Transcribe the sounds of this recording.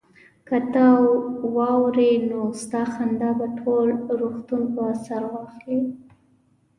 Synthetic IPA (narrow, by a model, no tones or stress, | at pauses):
kat̪awɑwɾenost̪ɑxand̪ɑbaʈʰolɾoxt̪unpoasaɾwɑxli